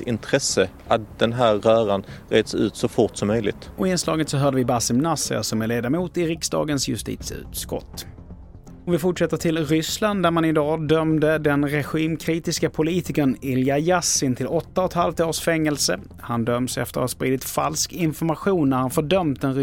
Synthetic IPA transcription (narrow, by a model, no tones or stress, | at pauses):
ɪnt̪ʰɾɛsə | at̪̚d̪̥ɛnɦæːɾːœːɾanɾeːd̪sʉ̟̰ːt̪sɔfʊʈsɔmːœjlɪ̰ɡ̚t̪ɔɪnslɑ̰ːɡət̪sɔɦœːɖəvɪbasɪmnasə̰sɔmæɭeːd̪amuːt̪ɪɾɪksd̪ɑ̰ːɡənsjɵ̰st̪ḭːt̪sʉ̰ːt̪skɔ̰t̪ː | ɔmvɪfʊʈʂɛt̪ːəʈʰɪlɾʏsland̪d̪æɾmanɪd̪ɑːd̪œmd̪əd̪ɛnɾɛɧiːmkʰɾiːt̪ɪskapʰʊliːt̪ɪkənɪljajasɪnt̪ʰɪlɔt̪ːaɔt̪halft̪oːʂfɛŋːɛlsə | hand̪œmsɛ̰ft̪əɾhaspɾiːd̪ɪt̪fa̰lskɪnfɔɾmaɧuːnːæɾhanfœɖœmt̪̚d̪ɛnɾ